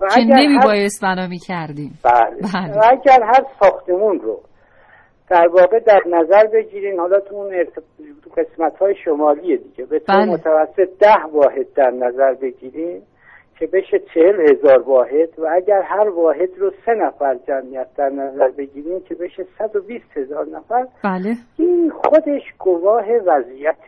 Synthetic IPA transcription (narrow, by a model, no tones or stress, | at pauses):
vææenænemiːbɒːje̞st̪̚bænɒːmiːcʰæɾd̪iːmb̥æleælevææɟæɾɦæɾsɒːxt̪ʰemunɾo̰ | d̪̥æɾvɒːɣe̞d̪æɾnæzæɾbe̞ɟiːɾiːnhɒːlɒːt̪ʰuneɾt̪ʰ | ɢe̞smæt̪hɒːjeʃomɒːlijed̪iɟebet̪ʰblmot̪ʰævæsːe̞t̪̚ʰd̪æhvɒːɦe̞d̪̚ːæɾnæzæɾbe̞ɟiːɾin | cʰe̞be̞ʃet͡ʃʰehelhe̞zɒːɾvɒːɦe̞d̪̥vææɟæɾɦæɾvɒːɦe̞d̪ɾose̞næfæɾd͡ʒæmʔijæt̪̚d̪æɾnæzæɾbe̞ɟiːɾiːncʰe̞be̞ʃesæd̪obiːst̪he̞zɒːɾnæfæɾ | inxo̞d̪e̞ʃɡovɒːɦe̞væzijæt̪ʰe